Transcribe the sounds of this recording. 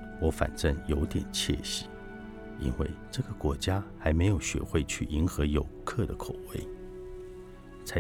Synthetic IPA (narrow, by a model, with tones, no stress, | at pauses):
wɔ˧˥fa̰˨˩nʈ͡ʂə˥˩ŋjo˧˥ʊt̪jɛ̰˨˩nt͡ɕʰjɛ̰˥˩ɕi˨˩˦ | ḭ˥nwḛ˥˩ɪʈ͡ʂɤ˥˩ɡə˩kwɔ˧˥t͡ɕja˥xa˧˥ɪme˧˥ɪjo˨˩ʊɕɥɛ̰˧˥xwe˥˧ɪt͡ɕʰy̰˥˩ʔi˧˥nxɤ˧˥jo˨˩ʊkʰɤ˥˩d̪ə˩kʰo˨˩ʊwḛ˧˥˩ɪ | t͡sʰa˧˥